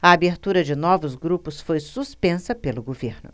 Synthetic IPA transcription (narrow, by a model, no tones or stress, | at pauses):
ɐabeɾt̪uɾɐd͡ʒɪnɔvʊzɡɾupʊsfojsuspẽsɐpelʊɡoveɾnʊ̰